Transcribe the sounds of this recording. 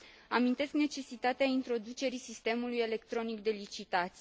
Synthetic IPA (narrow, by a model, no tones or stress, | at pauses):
amint̪e̞skne̞t͡ʃe̞sit̪at̪eaint̪ɾo̞d̪ut͡ʃe̞ɾisist̪e̞muluje̞le̞k̚t̪ɾo̞nikd̪e̞lit͡ʃit̪at̪sʲ